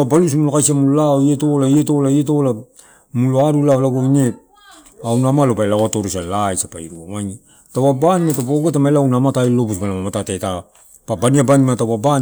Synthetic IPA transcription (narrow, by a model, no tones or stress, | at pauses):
balus̬mulokajsiamullaoietolaieto̞laiet̬ola | muloaɾulaolaɡoine | awnamalopajlaatoɾosalajsapa̰iɾuawani | tawabanimatapaoɡetamalawnamatajlo̞busbanamamatateta | pabaniabanimatawaba